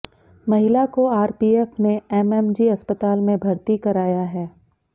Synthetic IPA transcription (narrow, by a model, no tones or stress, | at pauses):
mɐɦɪlakoaːɾpiːɛfneɛmɛmd͡ʒiɐspət̪aːlmẽbʱɐɾt̪ikɐɾaːjaɦɛː